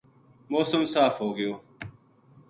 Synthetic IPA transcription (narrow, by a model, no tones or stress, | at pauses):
moːsəmsaːfɦoːɡɪjoː